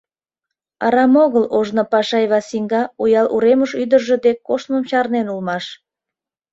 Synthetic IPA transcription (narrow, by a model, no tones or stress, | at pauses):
ɑ̰ɾɑmoɣəloʒnopɑʃɑjβɑsiŋɡɑujɑlʔṵɾeməʃyd̪ərʒĕd̪ekːoʃnəmt͡ɕɑrnenulmɑʃ